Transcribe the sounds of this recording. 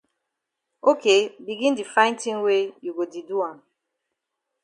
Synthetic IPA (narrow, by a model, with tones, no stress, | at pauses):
o˦ke˦bi˨ɡi˦n̩˦di˨fa˦ɪ̃˦n˦ti˦ŋ̩˦we˦ju˨ɡo˨di˨du˦a˨n